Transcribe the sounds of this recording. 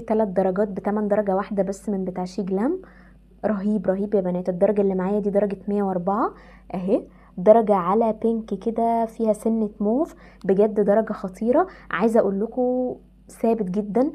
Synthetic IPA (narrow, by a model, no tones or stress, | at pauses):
t̪ælæt̪̚d̪ɑɾˤɑɡɑːt̪̚bet̪æmænd̪ɑɾˤɑɡæwaħd̪æbæsːmembet̪aːʕʃiːɡlæm | ɾˤɑɦiːbɾˤɑɦiːbjæbænæːt̪ed̪ːɑɾˤɑɡæʔelːimaʕaːjæd̪iːd̪ɑɾˤɑɡet̪mejːæwʔɑɾˤbɑʕɑ | ʔæɦe | d̪ɑɾˤɑɡæʕalæpeŋkked̪æfiːhæsenːet̪moːf | beɡæd̪ːd̪ɑɾˤɑɡæxɑt̪ˤʰiːɾˤɑʕa̰ːjezʔæʔuːlːoko | sæːbet̪̚ɡed̪ːæn